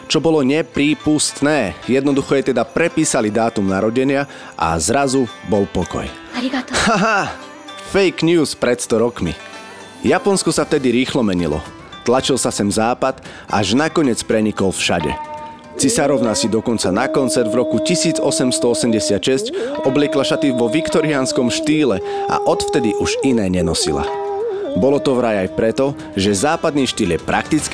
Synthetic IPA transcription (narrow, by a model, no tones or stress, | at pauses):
t͡ʃɔbɔlɔɲɛpɾiːpust̪nɛːjɛd̪nɔd̪uxɔjɛt̪ɛd̪apɾɛpiːsalid̪aːt̪umnaɾɔɟɛɲɪa | ʔa̰zɾazubɔlpɔkɔ̰j | haɦa | fɛjkɲjuːspɾɛt̪st̪ɔɾɔkmḭ | japɔnskɔsaft̪ɛd̪iɾiːxlɔmɛɲḭlɔ̰ | t̪lat͡ʃilsasɛmzaːpad̪ | ʔa̰ʒnakɔɲɪɛt͡spɾɛɲikɔlfʃaɟɛ̰ | t͡sisaɾɔʋnasid̪ɔkɔnt͡sanakɔnt͡sɛɾd̪vɾɔkucisiːd͡zɔsɛmst̪ɔɔsɛmɟɛsɪat̪ʃɛscɔblɪɛklaʃat̪iʋɔʋikt̪ɔɾianskɔmʃt̪iːlɛa̰ʔɔt̪ft̪ɛd̪iʔuʒinɛːɲɛnɔsḭla̰bɔlɔt̪ɔʋɾajajpɾɛt̪ɔ | ʒɛzaːpad̪niːʃt̪iːljɛpɾʔa̰k̚t̪it͡sk